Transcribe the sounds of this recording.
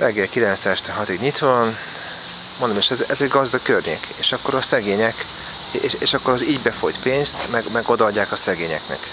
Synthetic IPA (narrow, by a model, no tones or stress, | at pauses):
rɛɡːɛlkilɛnt̪sɛʃt̪ɛɦɒt̪iɡɲit̪ʋɒn | mond̪omeʃɛzɛzɛɟɡɒzd̪ɒkkørɲḛːkeːʃɒkːo̞ɾɒsɛɡeːɲɛk | ʃeːʃɒkːoɾɒziɟbɛfo̞jt̪peːnst̪mɛɡmɛɡo̞d̪ɒɒɟːaːkɒsɛɡeːɲɛknɛ̰k